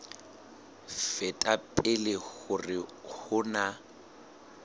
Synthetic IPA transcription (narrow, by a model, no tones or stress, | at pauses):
fɛtʼapʼɪleɣʊrɪhʊna